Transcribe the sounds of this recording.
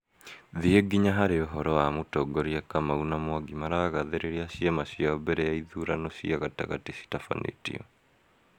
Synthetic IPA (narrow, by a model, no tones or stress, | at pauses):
ðieɡiɲaɦaɾeɔɦɔɾɔwamotɔɡɔɾiakamaunamwaɡimaɾaːɣaðeɾeɾiaɕiamaʃiaɔbɛɾɛjaiðuɾanoɕiaɣata̰ɣatesi̥tafa̰nʔḛtḭɔ̰